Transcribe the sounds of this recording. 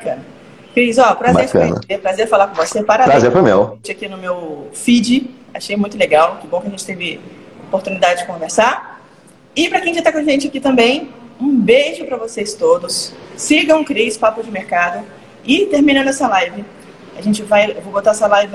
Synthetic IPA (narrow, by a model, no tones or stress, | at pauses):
bakɐ̃nɐ | kɾizɔpɾazbaeɾfkɐ̰̃nɐ̰epɾazeɾfalaɾkõvosepaɾapɾazzeɾfojmḛwẽt͡ʃɪakinʊmewfid͡ʒɪ | aʃejmũj̃t̪ʊleɡawkɪbõkɪɐʒẽt͡ʃɪt̪evɪopoɾt̪unid̪ad͡ʒɪd͡ʒɪkõveɾsaɾ | ɪpɾɐkẽj̃ʒat̪akõʒẽnt͡ʃɪakit̪ɐ̃mbẽj̃ũbeʒʊpɾɐvosejst̪od̪ʊsːiɡɐ̃w̃kɾispapʊd͡ʒɪmeɾkad̪ʊ | ɪt̪eɾmĩnɐnɛsɐlajvɪ | aʒẽnt͡ʃɪvajewvobot̪aɛsɐlajvɪ